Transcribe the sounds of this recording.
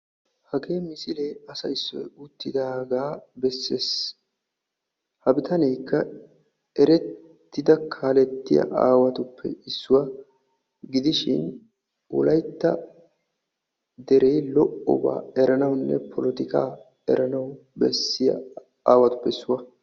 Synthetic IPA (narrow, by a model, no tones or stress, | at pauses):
hɐɡe̞ːmɪsɪleːɐsɐɪsːɔ̰jʊt̪ːɪd̪aːɡaːbɛsːeːs | hɐbɪt̪ʰɐnɛjkːɐ | ɛɾɛt̪ː | ɪd̪ɐkʰaːlɛt̪ːɪjɐ̰ʔaːwɐt̪ʊpːɛ̰ɪsːʊwɐ | ɡɪd̪ɪʃɪ̰n | ʔʊ̰lɐjt̪ːɐ | d̪ɛɾejlɔʔɔ̰ba̰ːɛɾɐnɐwnːɛ̰pʰɔlɔt̪ɪka̰ː | ɛ̰ɾɐnɐwbɛsːɪjɐ̰ | a̰ːwɐt̪ʊ̥pːɛɪsːʊwɐ